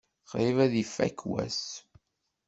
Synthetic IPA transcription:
qɾivæðifːæ̰kwæ̰s

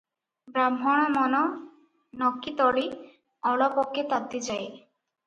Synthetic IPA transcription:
bɾamɦɔɽ̃ɔmɔnɔ | nɔkːit̪ɔɭi | ɔɭapɔkːet̪ad̪ːid͡ʒaj

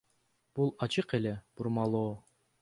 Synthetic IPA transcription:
b̥ulˠɑt͡ʃɯqele̞b̥uɾmɑlˠoː

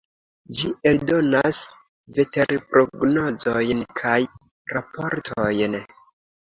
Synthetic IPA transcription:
d͡ʒie̞ldo̞nas | ve̞te̞ɾpɾo̞ɡno̞zo̞jnkʰaj | ɾapo̞ɾtʰojn

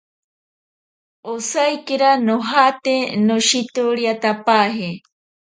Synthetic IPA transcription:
osajkeɾanoɦat̪enoʃit̪oɾiat̪apaɦe

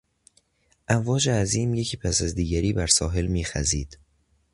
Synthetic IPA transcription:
ʔæɱvɒːd͡ʒeæziːmje̞cʰiːpʰæsæzd̪iːɟæɾiːbæɾsɒːɦe̞lmiːxæ̰ziːd̪̥

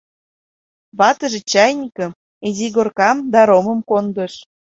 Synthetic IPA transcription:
βɑt̪ə̆ʒĕt͡ɕɑjnʲikə̆m | eziɣorkɑmd̪ɑɾomə̆mkond̪ə̆ʃ

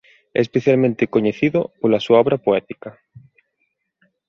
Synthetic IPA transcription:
ɛ̰espeθjalmẽnt̪ekoɲeθiðopolasuaɔβɾapoɛt̪ikɐ

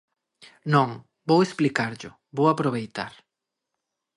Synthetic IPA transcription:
nõŋ | bowesplikaɾʎʊ | bowapɾoβejt̪aɾ

